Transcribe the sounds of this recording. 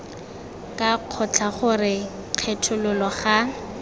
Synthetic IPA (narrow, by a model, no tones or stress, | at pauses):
kʼaq͡χʰɔt͡ɬʰaχʊrɪ | q͡χʰɛtʰʊlʊlɔχa